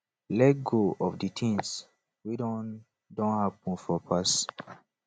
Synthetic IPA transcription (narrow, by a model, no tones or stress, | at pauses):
lɛt̚ɡoʔɔfditʰĩŋs | widɔ̃n | dɔ̃nhap̚ɔ̃nfɔpʰas